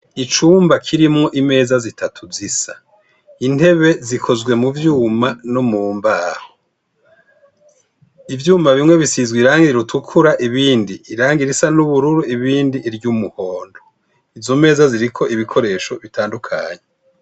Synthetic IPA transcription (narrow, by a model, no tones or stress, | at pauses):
it͡ʃuːmbakʰiɾimŋo̞ʔime̞ːzazitʰatʰuzisa | in̥e̞βe̞zikʰo̞zɡwe̞muvjuːmanomuːmbaːho | ivjuːmaβimŋwe̞βisizɡwiɾaːŋɡiɾiɾutʰukʰuɾaʔiβiːndiːɾaːŋɡiɾisanuβuɾuɾuiβiːndiʔːɾɟumuho̞ːndo | ivzo̞me̞ːzaziɾikʰo̞ʔiβikʰo̞ɾe̞ːʃo̞βitʰaːndukʰa̰ːɲe